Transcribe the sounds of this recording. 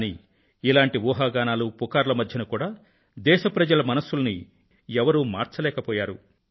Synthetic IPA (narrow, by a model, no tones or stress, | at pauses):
niː | ilaːɳʈiʋɔːɦaːɡaːnaːlupukaːɾlɐmɐd̪ʱjɐnukuːɽaː | d̪ɛːʃɐpɾɐd͡ʒɐlɐmɐnɐsːulɐni | ɛʋɐɾuːmaːɾt͡ʃɐlɛːkɐpɔːjaːɾṵ